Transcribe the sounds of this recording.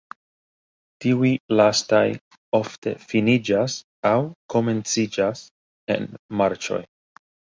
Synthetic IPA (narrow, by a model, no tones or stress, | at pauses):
tiuilastaj | o̞fte̞̰finid͡ʒas | awko̞me̞nt͡sid͡ʒas | e̞̰nmaɾt͡ʃo̞̰j